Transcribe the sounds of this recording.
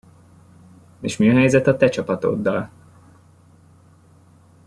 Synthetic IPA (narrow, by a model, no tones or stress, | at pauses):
eːʃmiɒɦɛjzɛt̪ɒt̪ɛt͡ʃɒpɒt̪o̞̰d̪ːɒl